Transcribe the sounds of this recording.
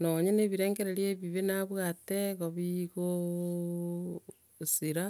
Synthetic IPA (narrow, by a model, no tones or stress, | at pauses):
noɲeneβiɾeːŋɡeɾeɾjeβiβenaβwateɣoβiɣo | siɾa